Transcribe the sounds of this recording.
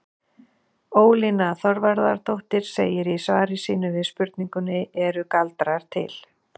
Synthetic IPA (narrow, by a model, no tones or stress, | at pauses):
oːwlinaθɔɾvaɾðaɾ̥t̪ʰowht̪ɪɾ̥sḛːjɪɾisvaːɾɪsiːnʏvɪðspʏɾt̪̚niŋkʏnɪɛɾʏkalt̪ɾaɾ̥t̪ʰɪ̰l̥